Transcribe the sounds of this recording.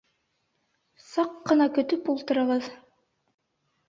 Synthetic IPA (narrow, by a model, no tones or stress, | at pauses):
sɑqːɤ̆nɑkɵ̆t̪ɵpulˠt̪ɤ̆ɾɑʁɤð